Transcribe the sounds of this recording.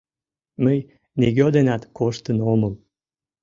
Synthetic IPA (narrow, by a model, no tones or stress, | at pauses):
məj | neɣøod̪enɑt̪koʃt̪ənoməl